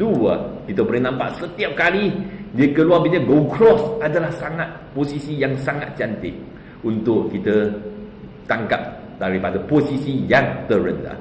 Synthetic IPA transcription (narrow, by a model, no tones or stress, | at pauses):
duəkit̪əbəɾinãmpa̰ʔsət̪iap̚kalidiəkəluabiɲəɡokɾɔsadalahsaŋat̪̚posisijaŋsaŋa̰t̪̚t͡ʃant̪ɪ̰k̚ | unt̪ʊʔkit̪ə | t̪aŋka̰p̚ | daɾipadəposisijaŋt̪əɾənla̰h